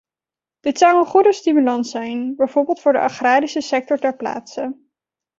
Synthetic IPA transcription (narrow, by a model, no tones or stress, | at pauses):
d̥ɪtsɑwənχudəstimylɑntsɛjnbɛjv̥oɹbɪːlˠtfʊːɹdə̰ʔɑχraːɾisəsɛk̚tɔɹtɛɹpla̰ːtsə